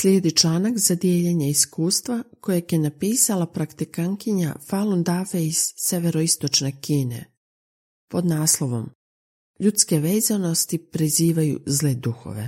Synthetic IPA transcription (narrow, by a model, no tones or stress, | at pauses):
slʲjeːd̪it͡ʃlˠaːnakzad̪je̞ʎeɲeiskuːst̪ʋako̞jekjenapiːsalapɾakt̪ikaŋkiɲa̰falund̪afeiz̥ːeʋeɾo̞ist̪o̞t͡ʃnekiːnḛ | po̞d̪naːslˠo̞ʋo̞̰m | ʎut̪ske̞ʋe̞ːzano̞st̪ipɾiziːʋajṵzled̪uxo̞̰ʋe̞̰